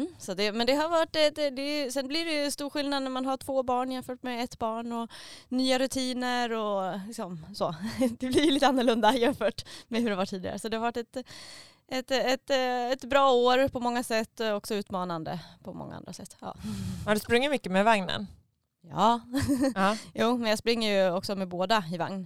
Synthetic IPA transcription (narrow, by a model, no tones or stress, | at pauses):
mːsɔt̪̚d̪ɛmɛnd̪ɛɦaɾvaʈːɛt̪d̪ɛsɛnblɪɾɛjɵst̪uːɾɧɪlnad̪̚næɾmanɦaʈʰv̥oːbɑːɳɪjɛnfœːʈmɛɛt̪ːbɑːɳɔnyːaɾɵt̪ʰiːnəɾɔlɪksɔmsoːd̪ɛblɪɾjɵliːt̪ːəanːəɭɵnd̪aɪjɛnfœːʈmɛɦɵɖɛhavaʈʰːiːd̪ɪɡa̰ɾəsɔd̪ɛhaɾvaʈːɛt̪ | ɛt̪ɛt̪ɛt̪bɾɑːoːɾpʰɔmɔŋːasɛt̪ːɔɔksɔʉ̟ːt̪mɑːnand̪ə̰pʰɔmɔ̰ŋːa̰a̰nd̪ɾa̰sɛt̪ːɑ̰ːad̪ɵspɾɵŋːɪmʏkːəmɛvaŋnə̰n | jɑː | ɑːjuːmɛnjaspɾɪŋːəɾjɵɔksɔmɛboːd̪aɪva̰ŋn